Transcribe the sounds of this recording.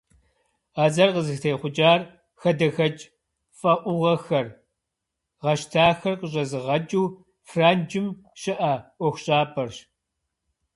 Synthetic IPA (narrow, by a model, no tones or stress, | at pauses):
aːzɐrqəzɨxtʰeːjχʷʊd͡ʒaːr | xɐdɐxɐt͡ʃʼ | fʼɐʔʷʊʁɐxɐr | ʁɐʃtʰaːxɐrqəɕ̬ʼɐzɨʁɐd͡ʒʼuː | fraːnd͡ʒɪmʃɪʔɐʔʷɔxʷʊɕʼaːpʰɐrɕ